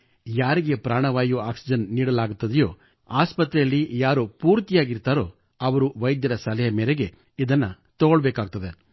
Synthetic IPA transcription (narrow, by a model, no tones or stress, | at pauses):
jaːɾiɡe̞pɾaːɳɐʋaːjuaːksid͡ʒɐnːiːɽɐlaːɡut̪ːɐd̪ɛjoː | aːspɐt̪ɾɛjɐlːijaːɾupuːɾt̪ijaːɡiɾt̪aːɾo̞ː | ɐʋɐɾuʋɐjd̪jɐɾɐsɐlɛɦɐmeːɾeɡe̞ | id̪ɐnːɐ | t̪ɔɡoɭbeːkaːɡ̚t̪ɐd̪e